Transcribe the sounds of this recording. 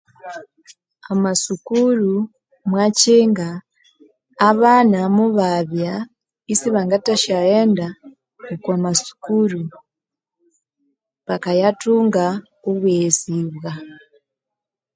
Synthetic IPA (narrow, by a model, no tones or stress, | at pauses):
amasukuɾu | mwaciːŋɡaː | βanamuβaβja | isiβaŋɡataʃaeːnda | okwamasu̥kuɾu | βakajatuːŋɡa | oβweziβɣa